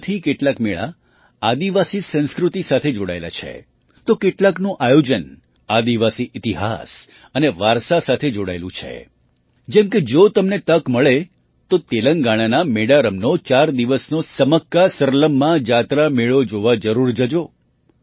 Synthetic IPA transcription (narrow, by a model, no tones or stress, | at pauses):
t̪ʰikeʈlakmeɭa̰ | ad̪iʋasisə̃ñskɾut̪isat̪ʰed͡ʒoɽa̰ela̰t͡ʃʰḛ | t̪okeʈlaknũʔajod͡ʒən | ad̪iʋasiʔɪt̪iɦa̰s | əneʋaɾsasat̪ʰed͡ʒoɽa̰elṵ̃t͡ʃʰḛ | d͡ʒɛmked͡ʒot̪əmnet̪əkməɭe | t̪ot̪eləŋɡaɽ̃anameɽaɾəmnot͡ʃaɾd̪iʋəsnosəməkːasəɾləmːãd͡ʒat̪ɾameɭod͡ʒoʋad͡ʒəɾuɾd͡ʒəd͡ʒo